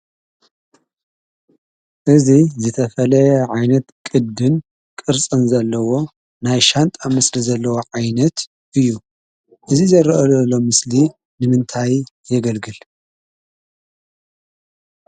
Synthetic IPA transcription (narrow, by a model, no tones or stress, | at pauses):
ʔɨzizɨt̪ʰɐfɐlɐjɐʕajnɐt̪kʼɨd̪ɨn | kʼɨɾt͡sʼɨnzɐlːɐwo̞ | najʃant̪ʼamɨslizɐlːɐwoʕajnɐt̪ | ʔɨjːu | ʔɨzizɐɾɐʔɐlɐlo̞mɨsli | nɨmɨnt̪ʰaj | jɛɡɐlɡɨl